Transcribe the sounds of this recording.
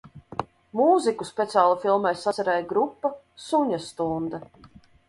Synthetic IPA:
muːzikuspʲɛt̪siaːlˠufilˠmajsaɛɾɛjɡɾupːa | suɲast̪und̪a

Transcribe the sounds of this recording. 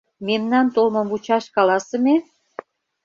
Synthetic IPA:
memnɑnt̪olmɤ̆mvut͡ɕɑʃkɑlɑsə̆me

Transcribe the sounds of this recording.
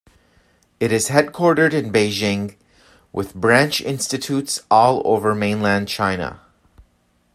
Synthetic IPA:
ɨɾɨz̥hɛd̚kʰw̥ɔɹɾə˞ɾɨ̃nbeɪd͡ʒɪ̃ŋ | wʔɪðbɹæ̃nt͡ʃɪ̰̃nstɨtʰutsɔlˠo̰ʊvə˞mẽɪ̃nlæ̃n̚t͡ʃʰãɪ̃nə̰

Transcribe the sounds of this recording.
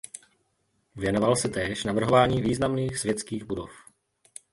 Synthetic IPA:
vjɛnovalsɪt̪ɛːʃnavr̩ɦovaːɲiːviːznamniːxsvjɛt͡skiːɣbudof

